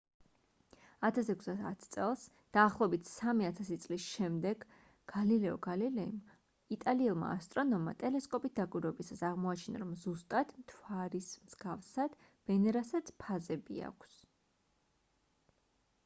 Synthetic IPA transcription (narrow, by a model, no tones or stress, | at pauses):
at̪ʰasɛkʰsd̪ada̰t̪ʰt̪sʼɛlˠs | d̪̥aːχlˠɔɛbit̪ʰsamiat̪ʰasit̪sʼlisʃɛmd̪ɛɡ | ɡ̥alilɛɔ̰ɡalilɛim | it̪ʼaliɛlˠma̰ːst̪ʼɾɔnɔmːa̰t̪ʼɛlɛskʼɔpʼis̚d̪̥akʼwiɾwɛbisasaʁmɔat͡ʃʰina̰ɾɔmzust̪ʼat̪mt̪ʰwaɾismz̥ɡafsad̪̥ | v̥ɛnɛɾasat̪sʰpʰazɛbḭa̰kʷʰs